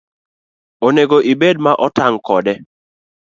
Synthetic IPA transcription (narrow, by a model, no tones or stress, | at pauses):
oneɡoʔibed̚maʔɔtaŋkɔdɛ